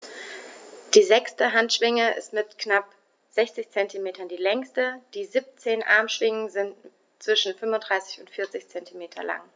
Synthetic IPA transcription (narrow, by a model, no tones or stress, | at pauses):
d̥iːzɛkstəɦantʃv̥ɪŋəʔɪ̰stmɪtknap | z̥ɛçt͡sɪçt͡sɛntimeːtɐndiːlɛŋstəd̥iːzip̚t͡seːnʔa̰ɐmʃv̥ɪŋənzɪnt | t͡sv̥ɪʃn̩fʏnvʊntd̥ʁaɪsɪ̥çʊntfɪɐt͡sɪçt͡sɛntʰimeːtʰɐ̰la̰ŋ